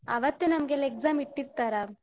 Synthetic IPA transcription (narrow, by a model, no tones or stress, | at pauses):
ɐ̰ʋɐt̪ːenɐmɐɡelːekzaːmiʈːiɾt̪aːɾa